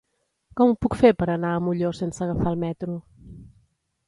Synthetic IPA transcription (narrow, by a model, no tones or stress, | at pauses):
kɔmupukfeɾpəɾənaəmuʎosensəɣəfalˠmɛt̪ɾu